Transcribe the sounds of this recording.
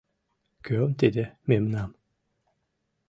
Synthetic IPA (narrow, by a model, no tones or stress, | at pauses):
kʰømd̪ed̪ɪmemnam